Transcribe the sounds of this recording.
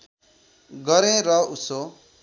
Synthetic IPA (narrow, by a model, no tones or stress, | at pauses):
ɡʌɾẽɾʌuso